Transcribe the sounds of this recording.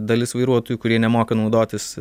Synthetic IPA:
d̪ɐlʲɪsʋɐɪɾuɔt̪oːjukʊɾʲiɛnʲɛmoːkɐnɐʊd̪oːt̪ʲɪs

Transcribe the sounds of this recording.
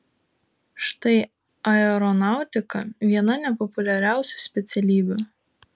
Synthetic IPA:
ʃt̪ɐɪ | ɐɛɾɔnɑˑʊt̪ʲɪkɐʋʲiɛnɐnʲɛpɔpʊlʲɛɾʲæˑʊsʲʊ̥sʲpʲɛt̪sʲɛlʲiːbʲʊ

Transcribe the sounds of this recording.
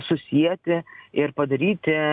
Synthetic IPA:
sʊsʲiɛt̪ʲɪɪɾpɐd̪ɐɾʲiːt̪ʲɪ

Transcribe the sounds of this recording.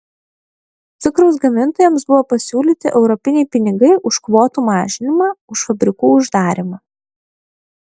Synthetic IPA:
t̪sʲɪkɾoʊs̬ɡɐmʲɪnt̪oːjɛmsbʊʋoːpɐsʲuːlʲiːt̪ʲɪʔɛʊɾɔpʲɪnʲɛɪpʲɪnʲɪɡɐɪʔʊʃkʋoːt̪uːmɑːʒʲɪnʲɪmɑːʊʃfɐbʲɾʲɪkuːʊʒd̪ɑːɾʲɪmɑː

